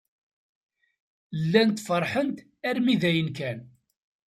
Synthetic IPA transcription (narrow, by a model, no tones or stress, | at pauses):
lːænt̪fəɾˤħənt̪ | æɾmiðæjənkæn